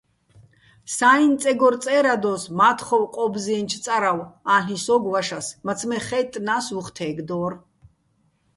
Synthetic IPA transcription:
saint͡s̪ʼɛɡɔɾt͡s̪ʼɛɾad̪ɔsmaːt̪ʰχɔwqʼɔbziɛnt͡ʃʰt̪t͡s̪ʼaɾawaɬisɔɡwaʃasmat͡sʰmɛχɛt̪ʼnasuχt̪ʰɛːɡd̪ɔːr

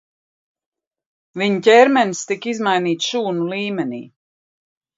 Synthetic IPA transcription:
viɲucʲɛːɾmɛnst̪ikizmajniːt̪sʃuːnulˠiːmʲɛnḭː

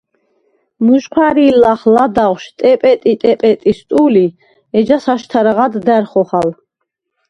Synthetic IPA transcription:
muʃqʰwaɾiːlaχlad̪aʁʃt̪ʼɛpʼɛt̪ʼit̪ʼɛpʼɛt̪ʼist̪ʼuli | ɛd͡ʒasaʃt̪ʰaɾaʁad̪ːæɾχɔχal

